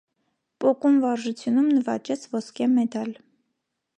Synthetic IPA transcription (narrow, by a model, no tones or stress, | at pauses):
pʼɔkumvɑɾʒut͡sʰjunumnəvɑ̰t͡ʃɛt͡sʰvɔskɛmɛd̪ɑl